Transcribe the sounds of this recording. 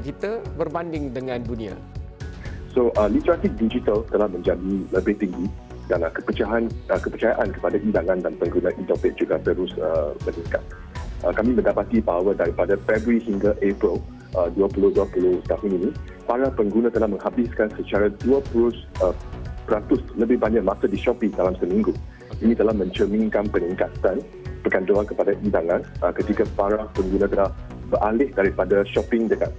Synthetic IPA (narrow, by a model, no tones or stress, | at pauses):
kit̪əbərbandɪŋdəŋãndunĩa̰ | soʔəlit̪əɾatik̚did͡ʒit̪alt̪əlahmə̃ɲd͡ʒadiləbɪht̪iŋɡi | danakəpət͡ʃaɦanəkəpət͡ʃajaʔankə̥padaʔidaŋãndanpəŋɡunaʔit̪ɔpɪk̚d͡ʒuɡapəɾusəmənĩŋka | ʔəkamĩmə̃ndapat̪ibaɦawədaɾipadafɛbɾuihiŋɡaʔepɾəl | ʔəduapulʊduapulʊst̪aɦʊnini | paɾahpəŋɡunãt̪əlahmə̃ŋhabɪskansət͡ʃaɾaduapulʊsəpəɾat̪ʊsləbɪhbaɲãʔ̚mãsədiʃɔpiŋdalamsəmĩŋɡu | inĩt̪əlahmə̃ɲt͡ʃəmĩŋkanpəniŋkat̪an | pəkandoankəpadaʔidaŋãnəkət̪ikapaɾahpəŋɡunãt̪əlah | bəɾʔalɪhdaɾipadaʃɔpɪ̃ŋdəɡat̚